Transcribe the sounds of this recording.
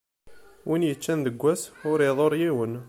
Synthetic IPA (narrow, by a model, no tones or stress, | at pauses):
winjət͡ʃːænðəɡʷːæsʊɾiðˤoɾˤjiwən